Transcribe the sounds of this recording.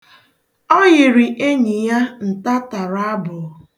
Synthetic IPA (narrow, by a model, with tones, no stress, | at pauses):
ɔ˦jɪ˨ɾɪ˨ʔe˦ɲi˨ja˦n̩˨ta˦ta˨ɾa˦bʊ˨